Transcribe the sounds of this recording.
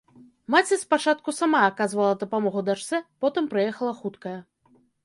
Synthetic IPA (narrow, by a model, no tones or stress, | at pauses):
mat͡sʲɛspat͡ʂat̪̚kusamaːkazvɐlˠɐd̪ɐpamɔɣud̪aʂt̪sɛpɔt̪ɨmpɾɨjɛxɐlˠɐxut̪kɐjɐ